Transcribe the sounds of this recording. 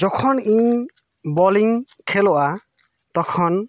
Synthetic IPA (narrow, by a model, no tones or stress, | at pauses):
d͡ʒɔkʰɔniɲ | bɔliŋ | kʰɛlɔʔa | t̪ɔkʰɔn